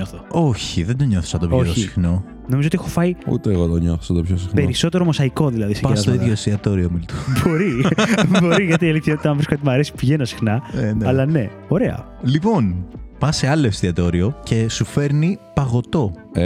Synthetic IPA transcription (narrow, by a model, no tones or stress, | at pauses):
oθooçiðend̪oɲo̞θo̥sɐt̪opoosixno̞ | no̞mizot̪ixofɐiṵt̪eːɣot̪oɲoθosɐt̪opçosixnpe̞ɾiso̞t̪e̞ɾo̞mosɐiko̞ðilɐðispɐt̪oiðʝoest̪iɐt̪o̞ɾiomilt̪obo̞ɾibo̞ɾiɣɐt̪ielit̪ʰɐot̪ɐɱvɾiskɐt̪imɐɾesi̥pʝenɐsi̥xnɐenɐlɐne̞ | o̞ɾe̞ɐ̰ | lipo̞npɐse̞ɐloefst̪iɐt̪o̞ɾio̞ce̞sufe̞ɾnipɐɣo̞t̪o̞ | e